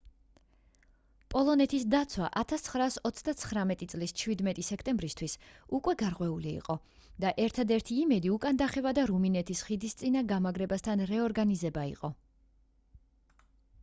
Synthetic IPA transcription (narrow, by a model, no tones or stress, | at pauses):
pʼɔlˠɔnɛt̪ʰis̬d̪at̪sʰwaʔat̪ʰast̪sʰχɾaːsɔt̪sʰd̪at̪sʰχɾamɛt̪ʼit̪sʼlist͡ʃʰwid̪mɛt̪ʼisɛkʰt̪ʼɛmbɾist̪ʰwisukʼwɛɡaɾʁʼwɛulḭːqʼɔ | d̪̥aʔɛɾt̪ʰad̪ɛɾt̪ʰiːmɛd̪iukʼand̪aχɛvad̪aɾuminɛt̪ʰisχid̪ist̪sʼinaɡamaɡɾɛbast̪ʰanɾɛɔɾɡanizɛbaḭqʼɔ